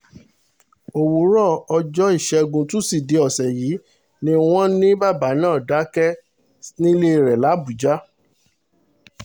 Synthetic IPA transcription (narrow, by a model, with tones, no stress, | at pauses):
o˨wo˨ɾɔ˦˨ɔ˧d͡ʒɔ˦i˦˨ʃɛ˧ɡũ˧tũ˦si˦˨de˧ɔ˨sɛ˨ji˨˦ | nĩ˦w̃ɔ̃˦nĩ˦ba˦˨ba˨˦nãː˦˨da˨˦kɛ˦ | nĩ˦le˦˧˨ɾɛ˨la˨˦bu˨d͡ʒa˦